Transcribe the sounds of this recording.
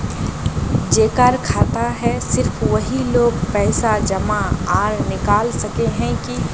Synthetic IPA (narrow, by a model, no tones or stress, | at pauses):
d͡ʒeːkaɾkʰaːt̪aɦɛsɪɾfʰʋɐɦiloːɡpɛːsad͡ʒɐmaaːɾnɪkaːlsɐkeɦɛ̃ki